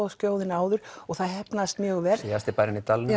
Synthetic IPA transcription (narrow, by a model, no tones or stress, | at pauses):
ascowðɪnaːwðʏɾ̥ɔɣθaðhɛpnast̪mjœːɣʏvɛr̥ast̪ɪpajɾɪnit̪aln